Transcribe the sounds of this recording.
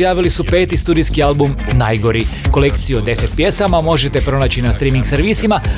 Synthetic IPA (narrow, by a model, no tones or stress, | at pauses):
jaːʋilisupe̞ːt̪ist̪uːd̪iskialˠbum | najɡo̞ɾiko̞le̞kt̪sijuod̪e̞set̪̚pje̞samamo̞ʒe̞t̪e̞pɾo̞naːt͡ɕinast̪ɾiːmiŋɡseɾʋisima